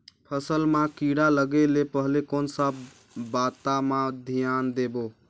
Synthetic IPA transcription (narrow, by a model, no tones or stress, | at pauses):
pʰəsəlmãkiɽaləɡelepəɦlekonsəbː | at̪amãd̪ʱijand̪ebo